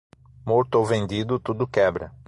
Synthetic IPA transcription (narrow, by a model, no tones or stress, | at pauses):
moɾt̪ʊowvẽnd̪id̪ʊt̪ud̪ʊkɛbɾɐ̰